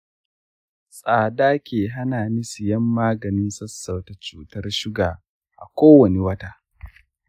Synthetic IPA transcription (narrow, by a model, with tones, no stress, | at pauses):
sʼaː˨daː˦kʲeː˨ɦa˦naː˨nɪ˦sɪ˨jɐ˦mːaː˦ɡɐ˨nɪ˦nsɐ˦sːɐ˨wta˨t͡ʃuː˦tɐ˦rʃɪ˦ɡaː˨ | ʔa̰˨kʷoː˦wɐ˨ni˨wɐ˦taː˦